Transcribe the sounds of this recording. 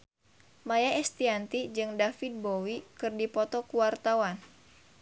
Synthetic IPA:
majaɛst̪iant̪id͡ʒɨŋdafid̪̚bowikɨrdipɔt̪ɔkuwart̪awan

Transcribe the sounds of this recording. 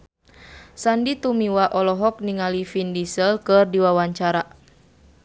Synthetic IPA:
sandit̪umiwaʔɔlɔɦɔk̚niŋalifindisəlkɨrdiwawaɲt͡ʃaɾa

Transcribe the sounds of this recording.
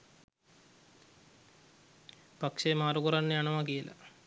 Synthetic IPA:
pakʂemaːɾukoɾanːəjaɳɐʋakijəla̰

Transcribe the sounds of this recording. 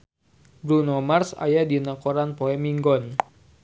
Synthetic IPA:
bɾunɔmarsa̰jadinakoɾanpoɛmiŋɡɔn

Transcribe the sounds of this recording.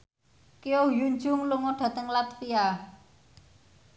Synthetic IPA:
kejojuɲd͡ʒʊŋluŋoɖ̥a̤t̪əŋlat̪fia

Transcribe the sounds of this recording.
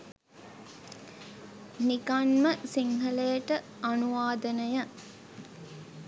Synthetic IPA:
nikanməsiŋɦɐləjəʈə | ɐnuʋaːd̪ənəjə

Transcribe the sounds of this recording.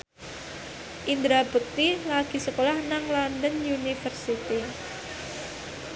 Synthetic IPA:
ʔind̪ɾab̥ək̚t̪ilaɡ̥i̤səkolahnaŋlɔndənjunifərsit̪i

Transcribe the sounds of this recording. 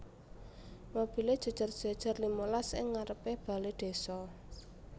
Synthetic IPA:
mob̥i̤led̥ʒ̥a̤d̥ʒ̥a̤rd̥ʒ̥a̤d̥ʒ̥a̤rlimolasɪ̰ŋːaɾəpeb̥a̤led̪̥e̤sɔ

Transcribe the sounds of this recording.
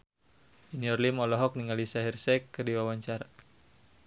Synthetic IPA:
iniɔrlimɔlɔɦɔk̚niŋalisaɦirsɛkːərdiwawaɲt͡ʃara

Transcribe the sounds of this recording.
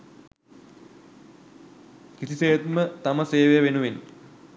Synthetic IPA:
kisiseːət̪mət̪aməseːʋejəʋenuʋin

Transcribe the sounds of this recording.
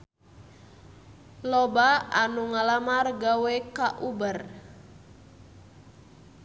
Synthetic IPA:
lɔbaanuŋalamarɡawɛkaʔubər

